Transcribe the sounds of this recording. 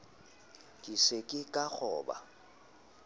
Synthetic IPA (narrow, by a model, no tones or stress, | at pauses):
kʼisekʼɪkʼak͡xʰɔːba̰